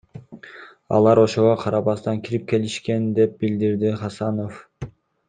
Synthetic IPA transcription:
ɑ̰lˠɑɾo̞ʃo̞ʁoqʰɑɾɑβɑst̪ɑŋkʲʰiɾip̚ke̞liʃke̞nd̪e̞p̚bild̪iɾd̪iχɑsɑno̞f

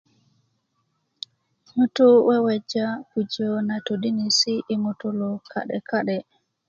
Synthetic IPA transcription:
mutuwɛwɛd͡ʒakud͡ʒɔnatoɗinisiʔːmutulɔkʰa̰ɗɛ̰kaɗɛ

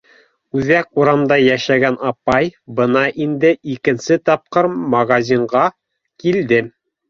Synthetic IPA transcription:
ʉðækuɾɑmd̪ɑjæʃæɡænɑpɑjbɤ̆nɑʔind̪ɘʔikɘ̆nsɘt̪ɑp̚qɤɾmɐɡazʲiɴɢɑ | kild̪ɘ

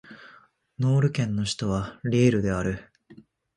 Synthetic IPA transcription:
no̞ːɾɯ̟kẽ̞nːo̞ɕi̥t̪o̞β̞aɾʲiːɾɯ̟d̪e̞aɾɯ̟

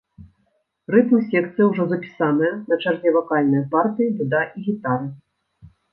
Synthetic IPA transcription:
rɨt̪mɨsʲɛkt̪sɨjɐwʐɔzɐpʲi̥sanɐjɐnɐt͡ʂarzʲɛvakalʲnɐjɐpart̪ɨjib̪ud̪aʔiɣʲit̪aɾɨ

